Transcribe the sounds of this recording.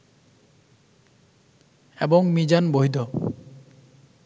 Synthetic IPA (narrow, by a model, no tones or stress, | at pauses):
ḛboŋmid͡ʑanboɦjd̪ɔ